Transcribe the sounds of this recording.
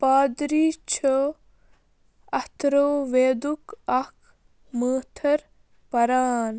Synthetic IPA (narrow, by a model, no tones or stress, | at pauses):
paːd̪ɾiːt͡ʃʰə | ɐt̪ɾoːʋeːd̪ukɐkʰ | məːt̪ʰɐɾ | pɐɾaːn